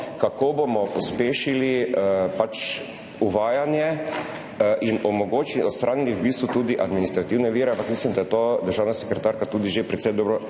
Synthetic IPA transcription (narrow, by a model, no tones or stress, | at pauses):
kakoːbomɔpɔspeːʃilipat͡ʃ | uʋaːjanjɛ | ʔinɔmɔɡoːt͡ʃilɔst̪ɾʔaːniliwbiːst̪ʋut̪uːd̪iʔad̪minist̪ɾat̪iwnɛʋiːɾɛãmpakmislimd̪ajɛt̪od̪əɾʒaːwnasɛ̥kɾɛt̪aːɾkat̪uːd̪iʒepɾɛt̪sɛjd̪ɔːbɾɔ